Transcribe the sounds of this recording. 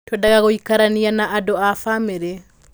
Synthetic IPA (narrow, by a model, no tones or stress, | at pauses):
twɛndaɣaɣoikaɾanianaʔadoafameɾe